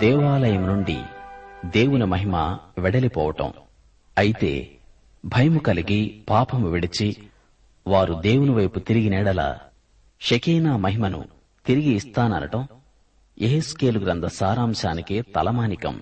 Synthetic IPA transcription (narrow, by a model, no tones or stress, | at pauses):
d̪ɛːʋaːlɐjɐmnuɳɖḭd̪eːwunimɐɦimɐ̰ʋɛɽɐlipɔ̰ːʋɐʈɐ̰m | ɐjit̪e̞̰ː | bʱɐjɐmukɐliɡipaːpʰɐmuʋiɽit͡ʃi | ʋaːɾud̪eːwuniʋɐjput̪iɾiɡinɛːɽɐla̰ː | ʃɐkiːnaːmɐɦimɐnṵ | t̪iɾiɡiːst̪aːnɐ̰nɐ̰ʈɐm | eɦeskeːluɡɾɐnd̪ʱɐsaːɾaːmʃaːnikeːt̪ɐlɐmaːnikɐ̰m